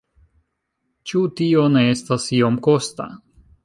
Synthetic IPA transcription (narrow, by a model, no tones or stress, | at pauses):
t͡ʃutione̞estasio̞mko̞st̪a̰